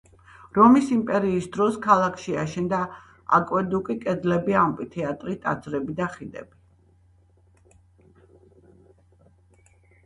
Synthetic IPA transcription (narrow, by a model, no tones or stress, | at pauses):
ɾɔmisimpʼɛɾiːsd̪ɾɔskʰalˠakʰʃiaʃɛnd̪a | a̰kʼwɛd̪ukʼikʼɛd̪d̪lɛbiampʼit̪ʰiat̪ʼɾit̪ʼa̰d̪zɾɛbid̪aχid̪ɛ̰b̥i